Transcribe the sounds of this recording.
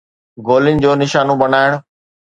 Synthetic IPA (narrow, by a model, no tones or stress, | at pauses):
ɡoːlɪnɪ̆d͡ʑoːnɪʃaːnõbɐnaːɪɽʊ